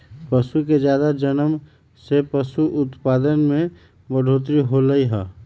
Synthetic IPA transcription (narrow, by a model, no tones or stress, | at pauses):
pəsuked͡ʒjaːd̪ad͡ʒənəm | sepəsuʔʊt̪paːd̪ənmẽ | bəɖʱoːt̪ɾiɦoləiɦɛ